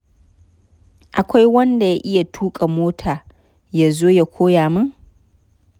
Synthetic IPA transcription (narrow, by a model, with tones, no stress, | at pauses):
ʔa˨kʷa˦jwɐ˦nda˨ja˦ʔɪ˦ja˨tʰuː˦kʼa˨moː˦tʰaː˨ | ja˦˨zoː˦ja˦kʷoː˦jaː˨mʊ˦ŋ